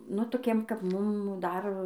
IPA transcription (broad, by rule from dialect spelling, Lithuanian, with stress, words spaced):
ˈnʊ toːˈkʲiɛm kɐp ˈmʊm ˈdɐr